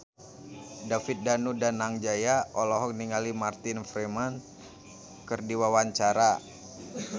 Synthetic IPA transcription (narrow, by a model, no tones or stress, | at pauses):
dafɪt̪̚danudanaŋd͡ʒajaʔɔlɔɦɔk̚niŋalimart̪ɪnfɾɛman | kərdiwawaɲt͡ʃaɾa